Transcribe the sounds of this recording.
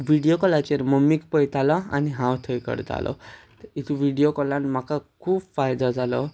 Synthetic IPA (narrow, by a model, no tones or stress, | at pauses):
bʱiɽijokɔlat͡ʃeɾmɔmikpɔjt̪alɔa̰niɦãwt̪ʰəjkɔ̰ɾit̪ʰa̰lʔɔ̰ | it̪ʰubʱiɽijokɔlanmakakʰubfajd̪ɔd͡zalɔ̰